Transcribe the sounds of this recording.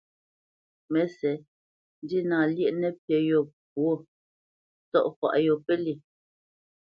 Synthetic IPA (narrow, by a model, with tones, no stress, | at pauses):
mɛ˨sɛ˨ | n˦di˦naː˨ljɛ˦ʔnɛ˦˨pjɛ˨jɔ˨ | p̚wo˦˨ | tɔ̰˦˨ʔfwa̰˨ʔjo˨pɛ˦li˨